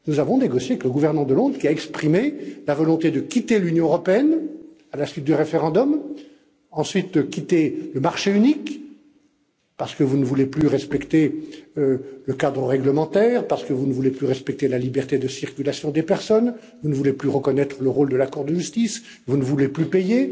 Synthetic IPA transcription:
nuzavɔ̃neɡɔsjeavɛkləɡuvɛʁnəmɑ̃d̪əlɔ̃d̪ʁkʲiaɛkspχimelavɔlɔ̃t̪ed̪əkʲit̪elynjɔ̃əʁɔpeɛn | alasɥit̪̚d̪yʁefeʁɑ̃d̪ɔm | ɑ̃sɥit̪̚dəkʲit̪eləmaʁʃeynik | paʁsə̥kəvunəvuleplyʁɛspɛkt̪eøləkad̪ʁəʁɛɡləmɑ̃t̪ɛːʁpaʁsə̥kəvunəvuleplyʁɛspɛk̚t̪elalibɛʁt̪ed̪əsiʁkʲylasjɔ̃d̪epɛʁsɔn | vunəvuleplyʁəkɔnɛt̪χələʁold̪əlakuʁd̪əʒyst̪is | vunəvuleplypeje

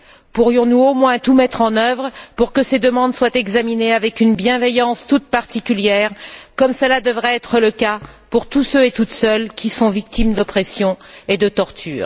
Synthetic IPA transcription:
puʁjɔ̃nuomwɛ̃t̪umɛt̪χɑ̃nœvʁəpuʁkəsed̪əmɑ̃d̪swat̪ɛɡzamineavɛkynbjɛ̃vɛjɑ̃st̪ut̪̚paʁt̪ikʲyljɛːʁkɔmsəlad̪əvʁɛɛt̪χələkapuʁt̪usøet̪ut̪sœlkʲisɔ̃vik̚t̪imd̪ɔpχɛsjɔ̃ed̪ət̪ɔʁt̪ʰy̰ːʁ

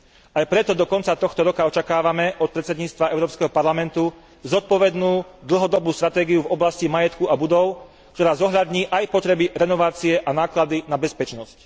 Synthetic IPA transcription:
ajpɾɛt̪ɔd̪ɔkɔnt͡sat̪ɔxt̪ɔɾɔkaɔt͡ʃakaːʋamɛʔɔt̪̚pɾɛt̪t͡sɛd̪ɲiːt͡st̪ʋaʔɛʊɾɔːpskɛɦɔpaɾlamɛnt̪u | zɔt̪̚pɔʋɛd̪nuːd̪l̩ɦɔd̪ɔbuːst̪ɾat̪ɛːɡijuvɔblascimajɛt̪kuabud̪ɔʊ | k̚t̪ɔɾaːzɔɦʎad̪ɲiːʔajpɔt̪ɾɛbiɾɛnɔʋaːt͡siɛʔanaːklad̪inabɛspɛt͡ʃnɔsc

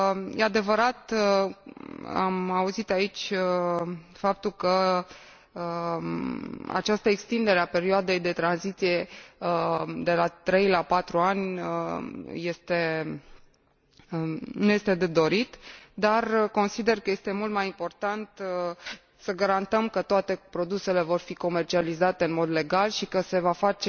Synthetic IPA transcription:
jʔead̪e̞vəɾat̪ | a̰mauzit̪ait͡ʃʲə | fap̚t̪ulkə | a̰t͡ʃast̪əekst̪ind̪e̞ɾeape̞ɾioad̪e̞jd̪e̞t̪ɾanzit̪sije̞ | d̪e̞lat̪ɾe̞jlapat̪ɾuanʲəje̞st̪e̞ | nuje̞st̪e̞d̪ed̪o̞ɾit̪d̪arko̞nsid̪e̞rkəje̞st̪e̞mult̪majimpo̞rt̪ant̪ | səɡaɾant̪əmkət̪oat̪e̞pɾo̞d̪use̞le̞vo̞rfiko̞me̞rt͡ʃializat̪e̞ɨnmo̞d̪le̞ɡalʃikəse̞vafat͡ʃe

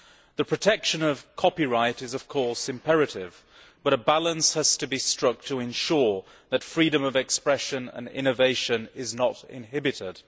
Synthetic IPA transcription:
ðɨpʰɹ̥ɨtʰɛkʃɨ̃nʌv̥kʰɑpiɹaɪɾɨzʌv̥kʰɔɹsɨ̃mpʰɛɹɨɾɪv̥ | b̥ʌɾəbælˠə̃nshəz̥tʰɨbistɹ̥ʌk̚tʰəɨ̃nʃʊɹ | ðɨtfɹiɾɨ̃mʌvɨkspɹɛʃɨ̃nə̰̃nɪ̰̃ñɨveɪʃɨ̃nɪznəɾɪ̰̃nɦɪbɨɾɪd̥

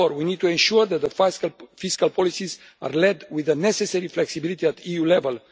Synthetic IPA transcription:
oɾwinid̪̚t̪uẽnʃuɹðæt̪̚d̪əfiskalpʰɔlisiz | a̰rlɛd̪wiðənɛsesɛɾiflɛksibilit̪iæt̪ʰijulɛvəl

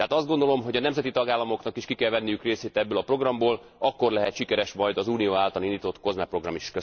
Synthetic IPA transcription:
t̪ɛɦaːt̪ɒzd̪ɡo̞nd̪o̞lo̞mɦo̞ɟɒnɛmzɛt̪it̪ɒɡaːlːɒmo̞knɒkiʃkikɛlvɛnːijykreːseːt̪ɛbːøːlɒpro̞ɡrɒmboːl | ɒkːo̞rlɛɦɛt̪ʃikɛɾɛʃmɒjd̪ɒzuːnijoːaːlt̪ɒlind̪iːt̪ot̪ko̞zmɛpro̞ɡrɒmiʃkø

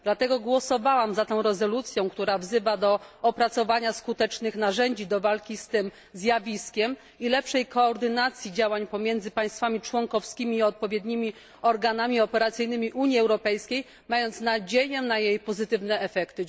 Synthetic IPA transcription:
d̪̥lat̪ɛɡɔɡwɔsɔvawamzat̪ɛ̃w̃ɾɛzɔlut̪sʲjɔ̃w̃kt̪uɾavzɘvad̪ɔɔpɾat̪sɔvaɲaskut̪ɛt͡ʂnɘxnaʐɛɲd͡ʑid̪ɔvalkʲist̪ɘm | zʲjavʲiskʲɛm | ilɛpʂɛjkɔːɾd̪ɘnat̪sʲjid͡ʑawaɲpɔmʲjɛnd̪zɘpaj̃st̪famʲit͡ʂwɔŋkɔfskʲimʲiːɔt̪̚pɔvʲjɛd̪ɲimʲi | ɔɾɡanamʲiɔpɛɾat̪sɘjnɘmʲiʔuɲjiɛwɾɔpɛjskʲej | majɔnt̪snad͡ʑejɛnajejpɔzɘt̪ɘvnɛɛfɛkt̪ɘ

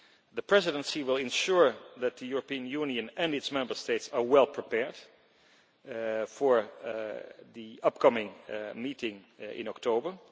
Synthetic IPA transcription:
ðəpʰɹ̥ɛzɪdə̃nsiwɪlˠɪ̃nʃʊɹðæt̪̚ðəjuɹəpiə̃njunjɨ̃nɨ̃ndɨtsmɛ̃mbə˞steɪtsaɹwɛlˠpʰɹ̥ipɛɹd̥ | fɔɹ | ðiʌp̚kʰʌmɪ̃ŋmitɪ̃ŋ | ɪ̰̃nɔktʰoʊbə˞

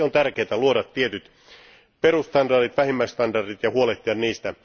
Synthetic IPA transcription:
ont̪ærkeːt̪æluodɑt̪ːiet̪yt̪ | perust̪ɑndɑrit̪ʋæhimːæist̪ɑndɑrdit̪jɑhuoleht̪iɑnniːst̪æ

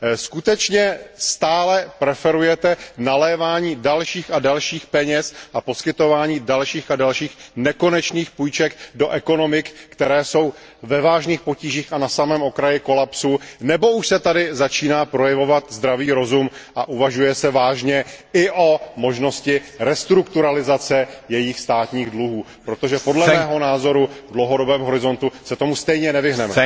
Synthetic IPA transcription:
skut̪ɛt͡ʃɲɛst̪aːlɛpɾɛfɛɾujɛt̪ɛnalɛːvaːɲiːdalʃiːxadalʃiːxpɛɲɛsʔapo̞skɪt̪o̞vaːɲiːdalʃiːxadalʃiːxnɛko̞nɛt͡ʃniːxpujt͡ʃɛkdo̞ʔɛko̞no̞mɪkkt̪ɛɾɛːso̞wvɛvaːʒniːxpo̞ciːʒiːxanasamɛːmokɾajɪko̞lapsunɛbo̞uʃsɛt̪adɪzat͡ʃiːnaːpɾo̞jɛvo̞vat̪zd̪ɾaviːɾo̞zumʔaʔuvaʒujɛsɛvaːʒɲɛɪʔo̞mo̞ʒno̞scɪɾɛst̪ɾukt̪uɾalɪzat͡sɛjɛjɪxst̪aːt̪ɲiːɣdluɦuː | pɾo̞t̪o̞ʒɛpo̞dlɛmɛːɦo̞naːzo̞ɾuvdlowɦo̞do̞bɛːmɦo̞ɾɪzo̞nt̪usɛt̪o̞must̪ɛjɲɛnɛvɪɦnɛmɛ

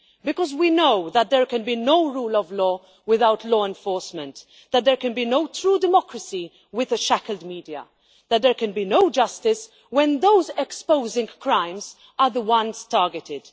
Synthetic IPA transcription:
bɪkɔzwinoʊðət̪̚ðɛɹkɛ̃nbinoʊɹuːlɔvlɔː | wɪðaʊtʰlɔːɛ̃nfɔːɹsmɛ̃nt̪ | ðət̪̚d̪ɛɹkɛ̃nbiːnoʊtɾuːdɪmɔkɾəsi | wɪðəʃækəldmiːdiə̰ | ðət̪̚d̪ɛɹkɛ̃nbiːnoʊd͡ʒʌstɪs | wɛ̃nðoʊzɛkspoʊzɪ̃ŋkɹãɪ̃mz | əðəwʌ̃nz̥tɑːɹɡɛtɪd̥

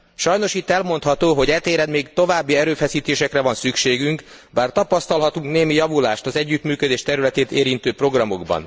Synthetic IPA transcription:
ʃɒjno̞ʃit̪ːɛlmo̞nt̪hɒt̪oːɦo̞ɟɛt̪eːɾɛd̪meːkt̪o̞vaːbːiɛɾøːfɛsiːt̪eːʃɛkrɛvɒnsykʃeːɡyŋk | baːrt̪ɒpɒst̪ɒlɦɒt̪uŋkneːmijɒvula̰ːʃt̪ɒzɛɟːyt̪myːkød̪eːʃt̪ɛɾylɛt̪eːt̪eːɾint̪øːpro̞ɡrɒmo̞ɡbɒ̰n

